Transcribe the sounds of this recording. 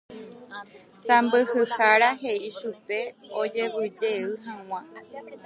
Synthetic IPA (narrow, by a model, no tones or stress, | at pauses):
sambɨhɨhaɾaɦe̞iʃupe̞od͡ʒe̞βɨd͡ʒe̞ɨɦãw̃ã